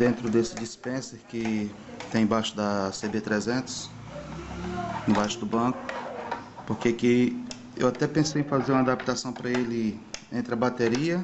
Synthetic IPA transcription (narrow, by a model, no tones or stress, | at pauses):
d̪ẽnt̪ɾʊd̪esɪd͡ʒispẽseɾkɪ | t̪ẽj̃bajʃʊd̪ɐsebet̪ɾɛzẽnt̪ʊ̥s | ẽbajʃʊd̪ʊbɐ̃kʊ̥ | poɾkeke | ḛwat̪ɛpẽsejẽj̃fazeɾũmad̪apt̪asɐ̃w̃pɾɐelɪẽnt̪ɾɪɐbat̪eɾiɐ